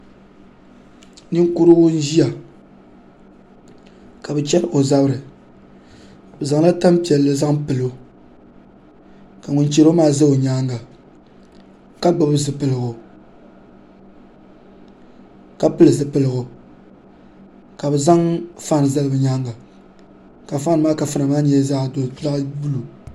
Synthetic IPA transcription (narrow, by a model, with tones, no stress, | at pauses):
nɨ˦ŋ˦ku˦ɾɨ˦ɡʊ˦n̩˦ʒi˦ja˨ | ka˨bɛ˨t͡ʃɛ˦ɾɨ˦˨ʔo˨za˦bɾɨ˨ | bɨ˨za˨ŋla˦ta˦mpi˨ɛ˨lːɨ˨za˦ŋpɨ˨lo˨ | ka˨ŋʊ˨n˦t͡ʃɛ˦ɾo˦maː˦zɨ˦o˨ɲaː˦ŋɡa˨ | ka˦ɡ͡bʊ˦bɨ˦zɨ˨pɨ˨lɨ˨ɡʊ˨ | ka˦pɨ˦lɨ˨zɨ˨pɨ˨lɨ˨ɡʊ˨ | ka˨bɛ˨za˦ŋfa˦˨nɨ˨zɛ˦lɨ˨bɨ˨ɲaː˦ŋɡa˨ | ka˨fa˦nɨ˨maː˦ka˨fɨ˦na˨maː˦ɲɛ˦zaː˦˨do˨˦la˦bu˦lu˨